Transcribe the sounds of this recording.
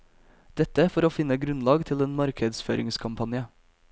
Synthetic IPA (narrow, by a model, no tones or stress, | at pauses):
d̪̥ɛt̪əfɔɾoːfɪnəɡɾʉnlɑːɡt̪ʰɪleːnmɑɾkʰəd̪sføːɾɪŋskʰɑmpʰɑnjə